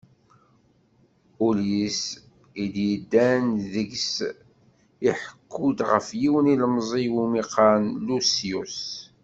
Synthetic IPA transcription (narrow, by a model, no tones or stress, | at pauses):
ulis | id̪jəd̪ːænðəɡs | iħəkʰːud̪ʁə̰fjiwəniləmzˤiwumiqʰɑnlusius